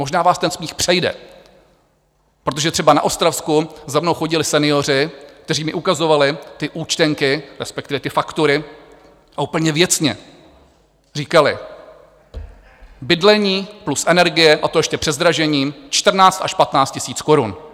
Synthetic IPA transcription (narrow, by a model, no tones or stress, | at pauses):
mo̞ʒnaːvaːst̪ɛnsmiːxpr̝̥ɛjdɛ̰ | pɾot̪o̞ʒɛt̪r̝̥ɛbana̰ʔo̞st̪ɾafskuzamno̞wxo̞ɟɪlɪsɛnɪjo̞r̝ɪk̚t̪ɛr̝iːmɪʔukazo̞valɪt̪ɪʔuːt͡ʃt̪ɛŋkɪɾɛspɛkt̪ɪvɛt̪ɪfakt̪uɾɪ | ʔauːpl̩ɲɛvjɛt͡sɲɛ | riːkalɪ̰ | bɪdlɛɲiːplusʔɛnɛɾɡɪjɛʔat̪ojɛʃcɛpr̥ɛzd̪ɾaʒɛɲiːmt͡ʃt̪r̩naːt͡st̪aʃpat̪naːt͡st̪cɪsiːt͡sko̞ɾun